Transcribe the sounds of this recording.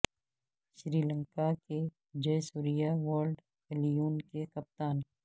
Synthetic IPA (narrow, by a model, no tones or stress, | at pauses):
ʃɾiːlə̃ŋkake | d͡ʒɐjsuːɾijaʋəːɾlɖ | elijuːnkekɐp̚t̪aːn